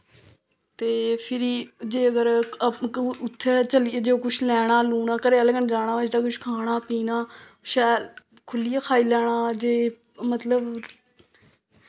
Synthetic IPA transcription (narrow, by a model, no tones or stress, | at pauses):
t̪eːpʰɪɾiːd͡ʒeːəɡəɾ | ʊt̪ʰːeːt͡ʃəlɪjaːd͡ʒeːoːkʊt͡ʃʰlɛːɽ̃aːluːnaːkəɾeəlɡənd͡ʒaːɽ̃aːd͡ʒdaːkʊʃʰkʰaːɽ̃aːpiːnaː | ʃɛːɾ | kʰʊlijaːkʰaːiːlɛːɽ̃aːd͡ʒeː | mət̪ləb